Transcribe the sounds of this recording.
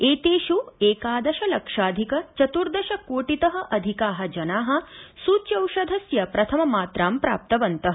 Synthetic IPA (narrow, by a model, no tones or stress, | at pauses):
eːt̪eːʃueːkaːd̪ɐʃɐlɐkʂaːd̪ʱikɐt͡ʃɐt̪uɾd̪ɐʃɐkoːʈit̪ɐɦɐ̆ʔɐd̪ʱikaːɦɐ̆d͡ʒɐnaːɦɐ̆suːt͡ʃjɐwʃɐd̪ʱɐsjɐpɾɐt̪ʰɐmɐmaːt̪ɾaːmpɾa̰ːp̚t̪ɐʋɐnt̪ɐɦɐ